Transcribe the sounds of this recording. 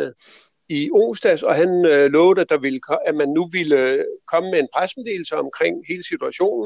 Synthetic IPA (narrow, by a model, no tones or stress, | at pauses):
io̝̰ːsd̥æsɒ̽ɦænlɔ̽ːʊð̥̩ˠəæd̥ɑ̈ʋiləkʰæmænːuʋiləkʰɒ̽məmee̝npʰʁasmede̝̰ːl̩səɒ̽mkʰʁeŋ̰he̝ːləsit͡sʰuæɕo̝̰ːnn̩